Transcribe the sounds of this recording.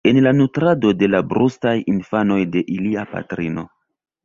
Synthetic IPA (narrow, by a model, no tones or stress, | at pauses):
e̞nlanutɾado̞de̞labɾustajinfano̞jdeʔiliapa̰tɾino̞